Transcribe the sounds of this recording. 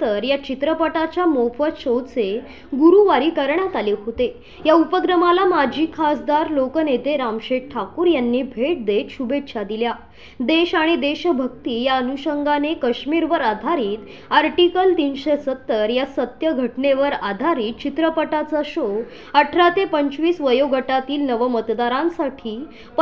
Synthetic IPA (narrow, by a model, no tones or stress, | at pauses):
əɾjat͡ɕit̪ɾəpəʈat͡ɕjamofʋəɕot͡se | ɡuɾuʋaɾiːkəɾɳjat̪aleɦot̪e | jaupəkɾəmalamad͡ʑʱiːkʰasd̪aɾlokənet̪eɾamɕeʈʰakuːɾjanːiːbʱeʈ̚d̪et̪ɕubet̪ɕʰad̪ilja | d̪eɕaɽ̃id̪eɕəbʱək̚t̪iːjaənuɕəŋɡanekəɕmiːɾʋəɾad̪ʱaɾiːt̪ | aɾʈikəlt̪iːnɕesət̪ːəɾjasət̪jəɡʱəʈneʋəɾad̪ʱaɾiːt̪̚t͡ɕit̪ɾəpəʈat͡saɕo | əʈʰɾat̪epəɲt͡ɕʋiːsʋəjoɡʱəʈat̪iːlnəʋəmət̪d̪aɾãnsaʈʰiː | p